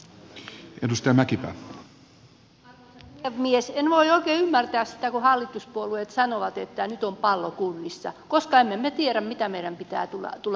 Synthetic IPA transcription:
ʔḛndust̪eɑmækipæ̰ | eʋmiesenʋoioikeːymːært̪æːssi̥t̪ækuhɑlːit̪uspuolueːt̪sɑnoʋɑt̪et̪ːænyt̪ompɑlːokulːisːɑ̰koskɑemːemmet̪ieɾæmmit̪æmeiɾæmpit̪æ̰ːt̪ulːɑ̰t̪ulːɑ

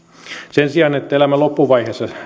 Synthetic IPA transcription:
sensiɑnet̪ːæelæmælopːuʋɑihesːɑ

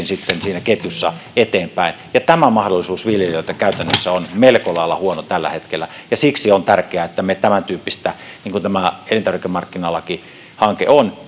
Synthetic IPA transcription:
nsit̪ːensiːnæket̪jysːɑ̰et̪eːmpæinjɑt̪æmæmɑhdolːˑisuːsʋiljeløˑit̪ækæˑyt̪ænːøsːæonmelkolɑˑelːɑhuonot̪ælːæ̰het̪kelːæjɑsiksiont̪ærkeæet̪ːæmet̪æmænt̪yːpːist̪æ | niːŋkunt̪æmæelinɑrʋikemɑrkːinɑlːɑki | hɑŋkḛon

